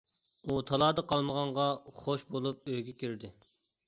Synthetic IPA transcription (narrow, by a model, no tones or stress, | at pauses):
ut̪ʰɑlˠɑːd̪əqʰɑlˠməʁɑɴʁɑχoʃbolˠup̚øjɡʲɛkʲʰiɾd̪ɪ